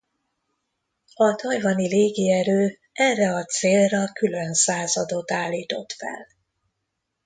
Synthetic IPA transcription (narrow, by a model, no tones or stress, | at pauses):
ɒd̪ɒjvɒnileːɡiɛɾøː | ɛrːɛɒt̪seːlrɒkylø̞nsaːzɒd̪o̞t̪aːlːiːt̪o̞t̪fɛ̰l